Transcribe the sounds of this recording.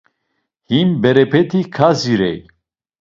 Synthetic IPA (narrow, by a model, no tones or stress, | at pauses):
himbɛɾɛpʰɛt̪ʰikʰaziɾɛ̰j